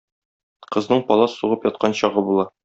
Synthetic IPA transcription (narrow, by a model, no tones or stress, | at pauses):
qɤ̆znɤɴpɒlˠɑsuʁɤpjɒt̪̚qʰɑnɕɒʁɤbulˠɑ